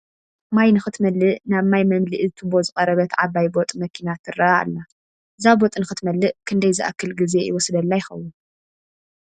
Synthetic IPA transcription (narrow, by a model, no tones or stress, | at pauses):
majnɨxɨt̪mɐlːɨʔnaβmajmɐmliʔzɨt̪ʰɨbo̞zɨkʼɐɾɐβɐt̪ʕaβajbot̪ʼmɐkʰinat̪ʰːɨrɐaa̰lːa | ʔɨzabot̪ʼnɨxɨt̪mɐlːɨʔkʰɨnd̪ɐjzɨʔa̰kʰːɨlɡɨze̞jɪwɔsd̪ɐlːajɪxɐwːun